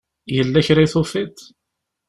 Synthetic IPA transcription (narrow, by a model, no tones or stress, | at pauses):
jəlːæçɾajθufit̪